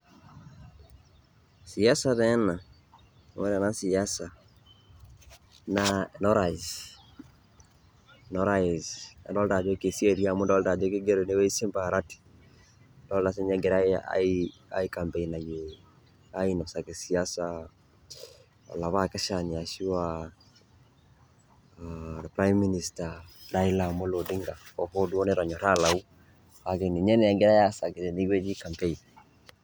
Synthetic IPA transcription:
sia˦saɾɛna˨ | wɛ˦ɾɛ˨nasiasa˨ | nanɔ˦ɾaiz | nɔɾaiza̰˨ndɔ˦lda˨d͡ʒo˦ke˨si˦eɾjamu˦ndɔ˦lda˨d͡ʒo˦ke˦ɡe˦ɾo˨ne˦we˦i˦se˦mba˨ɾati̥ | ndɔ˦ldas̬e˦ɲaɡe˨ɾa˦a̰ia̰ika˨mpeina˨je | a˦i˦nɔ˨sa˨ke˨si˨asa | ɔ̰˨la˨βa˦ke˦ʃa˨ni˨a˨ʃi˦wa | ɾɛpɾajmːini˨staɾa˦i˦la˨mo˦lo˨de˦ŋɡa˨ɔ˨ho˦du˦ɔ˦ne˦ɾɔ˨ɲɔ˨ɾalau˦ | a˨ke˨ni˨ɲɛ˦ne˨a˦ŋɡe˦ɾa˦ja˦sa˨ke˨e˨ne˦jwe˦d͡ʒi˦ka˨mpein

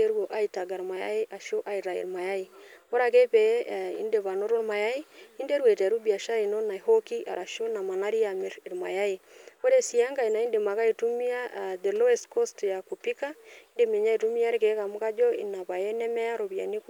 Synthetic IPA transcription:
e˦ɾwo˨ʔa˦i˨ta˨ɡa˨ɾma˨ja̰˦i˦ʔa˨ʃo˦ʔa˦i˨ɾa˨ḭ˨ɾma˨ja˦i˨o˦ɾa˨ke˦pɛ˨˦˨ḭ˦nde˨βa˨no˦ɾo˦ɾma˨ja˦i˦i˦nde˦ɾwe˨tɛ˨ɾu˦bi˨a˨ʃa˦i˨no˦na˨i˨ho˦ki˦ʔa̰˨ɾa˨ʃo˦na˨ma˨na˦ɾi˦a˨me˨ɾi˨ɾma̰˨ja˦i˨o˦ɾe˦˨si˨a˦ŋɡa˨i˨na˨i˦nde˨ma˨ka˦i˨tu˦mi˦a˦˨de˨lo˦ɛ˨sko˦stja˨ku˨pi˦ka˦i˦nde˨me˨ɲa˦i˨tu˦mi˦a˦ɾke˨˦ka˨mu˦ka˦d͡ʒɔ˦ḭ˨na˨pa˨je˦nɛ˦mɛ˦a˦ɾo˨βi˨a̰˨ni˦k

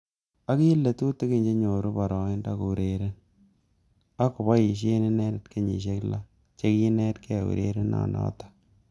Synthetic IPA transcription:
a˦ki˦lːe˨tu˦te˦ke˦˨ɲd͡ʒe˦ɲo˨ɾu˦pɔ˨ɾɔ˨ɪ˦nda˦ku˨ɾe˨ɾe˦n | a˦ku˨bɔ˦i˨ʃ̬e˦ne˦nɛ˦dɪ˨tke˦ɲḭ˨ʃ̬e˦kla̰˦ | t͡ʃe˦ki˦nɛ˦tke˦˨ṵ˨ɾḛ˦ɾe˦na̰˨ndɔ̰ː˦tḁ˦

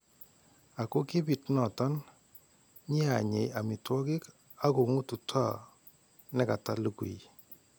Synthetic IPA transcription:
a˨ku˦ki˦bi˨tnɔ˨tɔ˦n | ɲi˦a˨ɲe˨ja˨mɪ˨twɔ˦kɪ˦k | a˦ku˨ŋu˦tu˨tʰwa˦˨ | nɛ˦ka˨ta˦lu˦kṵ˨i˨

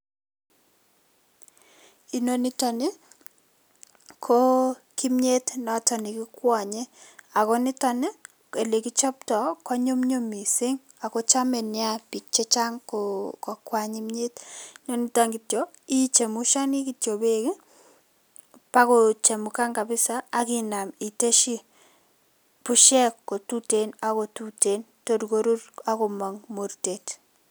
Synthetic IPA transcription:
i˨no˦ni˦tɔ˨ne˦ | kʰo˦ | ki˦mɲe˦tnɔ˨˦tɔ˨ni˨kɪ˦kwɔ˨ɲɛ˦a˨kɔ˦nɪ˦tɔ˦ne˦ | e˨le˨ki˦t͡ʃɔ˦ptɔ˨kwɔ˦ɲo˦mɲo˦mi˨se˦ŋ | a˨kɔ˦t͡ʃa˦mɛ˨nɪ˦a˦pi˨k̚t͡ʃɛ˦t͡ʃa˦ŋkko˨kwa˨ɲi˦mɲi˦tɲɔ˦ni˦taŋɡi˨tjo˨ | i˦t͡ʃe˨mu˦ʃa˦ni˦ki˨tjo˨be˦k | pa˦kot͡ʃe˨mu˨ka˦ŋka˨bɪ˦saː˦kina˨mi˨te˦ʃi˦ | pu˦ʃɛ˦kːo˨tu˦tena˦ko˨tute˨n | to˨ɾko˦ɾu˦ɾa˦ko˨ma˨ŋmo˨ɾtet

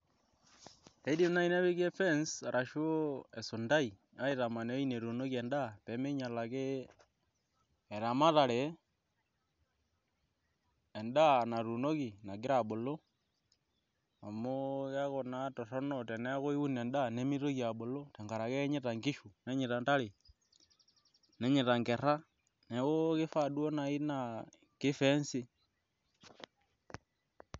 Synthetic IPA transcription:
e˦di˦mna˦i˦ne˦βi˦ke˦fɛ˦nsa˨ɾʔa˨ʃo˦e˨su˨nda˦i˨ | a˦i˦ta˨ma˨ne˨˦i˦ne˨ɾu˨no˦ki˨ɛ˨nda˦pɛ˨˦me˦ɲa˨la˨ke˦ | ɛ˨ɾa˨ma˦ða˨ɾe˨˦˨ | nda˦na˨ɾu˨no˦ki˨na˨ɡɪ˦ɾa˨ɓo˨lo˦ | a˨mo˦ɣe˦ɣo˨na˦to˨ro˦no˨te˨ne˦ɣo˦i˦u˦ne˨nda˦ne˦mi˦ɾo˦ɣja˨ɓo˨lo˦te˨ŋɡa˨ɾa˨ɣe˦ɲe˦ta˨ŋɡi˦ʃu˨ne˦ɲi˨ta˨nta˦li˨ | ne˦ɲi˨ta˨ŋke˨ɾa˦ | ne˨ɣo˦ki˦fa˨dwo˦na˨i˦na | ki˦fe˦nsi˦

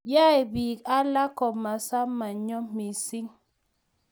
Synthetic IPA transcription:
ja˦e˨biː˨ka˦la˦kɔ˨ma˨sa˦mːa˨ɲɔ˦mi˨si˦ŋ

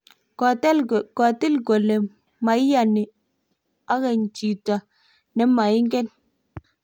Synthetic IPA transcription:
tka˨tɪ˦lɡɔ˨lɛ˨ | ma˨i˦ja˨nɪ˨ | a˦ɣɛ˨ɲt͡ʃi˨ta˨ | nɛ˨ma˨ɪ˦ŋɡɛ˦n

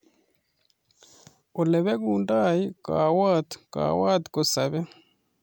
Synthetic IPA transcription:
o˨le˨βe˦kuːndaːjika̰ːwaːt̪ka̰ːwaː˦t̪ko˨sa˨βe˦

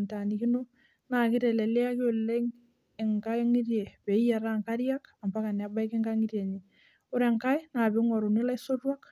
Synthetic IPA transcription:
nta˨ni˨ki˦no˦ | na˨kɪ˦ɾɛ˨lɛ˨le˦a˦kɪ˦o˨le˦ŋ | ɛ˨ŋka˦ŋi˦ɾje˨pɛ˨i˦ja˨ɾa˦ŋka˦ɾja˦ka˨mba˦ka˨ne˨a˨˦ba˦i˦kɪ˦ŋɡa˦ŋi˦ɾje˨ɲi˨ | o˦ɾɛ˨ŋka˦jna˨be˨˦ŋɔ˨ɾo˨ne˦la˦i˦so˦twa˦k

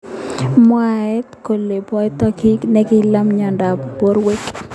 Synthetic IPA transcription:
mɔ˦a˨ɛ˦t̪ko˨le˨pɔ˦t̪ɔ˦ki˦knɛ˦kɪ˦la˦mɲɔ˨nda˨pbo˦ɾwe˦k

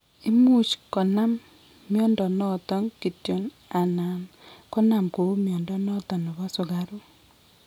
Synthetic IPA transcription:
i˦mu˦t͡ʃkɔ˨na˦mː | jɔ˦ndɔ˨nɔ˦t̪ɔ˦nki˨tjo˨n | a˨na˨nkɔ˦na˨mko˨u˦mjɔ˨ndɔ˦nɔ˦t̪ɔ˨nɔ˨βɔ˦sʊ˨ɣa˦ɾu˦

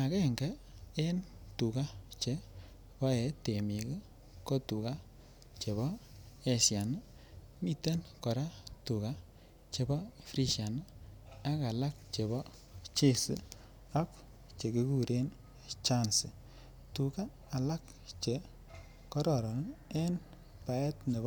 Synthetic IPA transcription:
a˨kɛ˦˨ŋɡɛ˦e˦ntu˨ka˦t͡ʃe˨ | pɔ˦ɛ˨˦te˨mi˨ke˦ | kɔ˦tu˨ka˦ | t͡ʃe˨βɔ˦ | e˨sja˨n˦ | mi˦te˦nkɔ˨ɾa˦tu˨ka˦ | t͡ʃe˨bɔ˦fɾi˦ʃa˨n˦a˦ka˨la˦k̚t͡ʃe˨bɔ˦ | t͡ʃe˦sḭ˦ | a˦k | t͡ʃe˨ki˦ku˦ɾe˦n | t͡ʃa˦nsḭ˨ | tu˨ka˦ | a˨la˦k | t͡ʃe˨ | kɔ˦ɾɔ˨ɾɔ˨n˦ɛ˦n | pa˨ɛ˦tne˨b

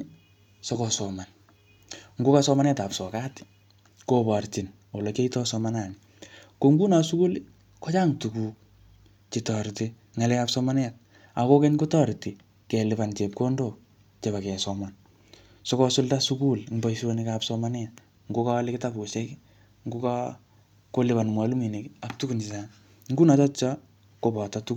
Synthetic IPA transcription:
sɔkɔsɔ˨ma˨n | ŋ̩ɡo˦kasɔma˦nɛ˦ta˨psɔ˨ka˦t | kobart͡ʃi˨n | o˨lɔ˨ke˦itɔ˦sɔmana˨nɪ | ko˨ŋɡu˦na˨su˦ku˦l | kɔ˦t͡ʃa˦ŋtu˨ku˨k̚ | t͡ʃi˨tɔ˨ɾti˦ | ŋa˨lɛ˦ka˦psɔma˦n˦a˨t̚ | a˨ko˦ke˦ɲko˦tɔ˦ɾti˨ | kɛ˨lɪ˨ba˨nt͡ʃe˨p̚ko˦ndo˨ | t͡ʃe˨ba˨kɛ˨sɔma˨n | so˦kɔ˦sʊ˦lta˦su˦ku˦lŋba˦isonikapsɔma˦nɪ˦a˨t̚ | ŋɡo˦ka˦lɪ˦kɪ˦ta˦pko˨ʃɛ˦k | ŋɡo˦ka | ko˦lɪ˦ba˨nmwa˨lu˦mi˨ne˨ka˨k̚tu˦ku˨ni˨sa˦ | ŋɡu˦na˨t͡ʃɔ˦tt͡ʃa˦ | ko˨bɔ˨tatu˦k

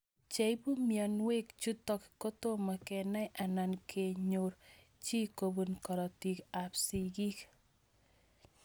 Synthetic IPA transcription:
t͡ʃe˨jbu˦mjɔ˨nwe˦kt͡ʃu˦tɔ˦kko˦to˦ma˨kɛ˨na˦jʔa˨na˨nkʰe˨ɲo˨ɾ | t͡ʃi˦ko˨bu˨nkɔ˨ɾɔ˨ti˨ka˨psi˨ɡi˦k

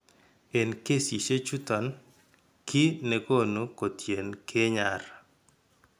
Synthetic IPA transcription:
e˨nke˦si˨ʃe˦t͡ʃu˦t̪ɔ˨n | kʰɪ˦ne˨ko˦nu˨ko˨t̪je˨nkʰe˦ɲa˨ɾ

